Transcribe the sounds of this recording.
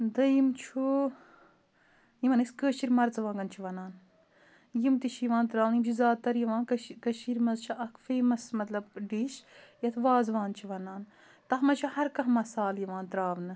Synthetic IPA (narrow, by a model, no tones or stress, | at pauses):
d̪ɐjimt͡ʃʰu | jimɐnɐskəːʃiɾmɐɾt͡sʋãːɡɐnt͡ʃʰiʋɐnaːn | jimt̪iʃʰjiʋãːnt̪ɾaːʋnjimt͡ʃʰuzaːd̪̚t̪ɐɾjiʋãːnkɐkɐʃiɾmɐzt͡ʃʰiʔɐkfeːmɐsmɐt̪lɐb̚ɖiʃjɐt̪ʰʋaːzʋaːnt͡ʃʰiʋɐnaːn | t̪ɐɦmɐt͡ʃʰuhɐɾkɐɦmɐsaːljiʋãːnt̪ɾaːʋnɨ